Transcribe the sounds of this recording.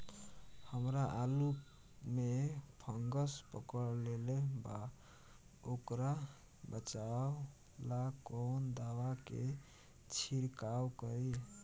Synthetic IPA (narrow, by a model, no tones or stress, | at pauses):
həmɾaʔalu | mepʰəŋɡəspə̰kəɽleleba | okɾa | bət͡ʃaw | lakond̪awakḛ | t͡ʃʰiɾkawkəi